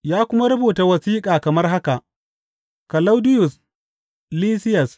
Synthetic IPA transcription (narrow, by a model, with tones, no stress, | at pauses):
jaː˦kʷʊ˦ma˦ɾɐ˦buː˨ta˨wɐ˨siː˦kʼaː˨kɐ˨mɐ˦rɦa˦ka˨ʔ | kɐ˨la˦wdɪ˦jʊ˨s | liː˦sɪ˦jɐ˨s